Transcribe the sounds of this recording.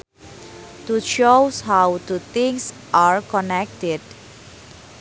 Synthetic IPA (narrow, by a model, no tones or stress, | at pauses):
tuʃowshawtut̪ĩŋs | ʔaɹkɔnɛk̚tɪd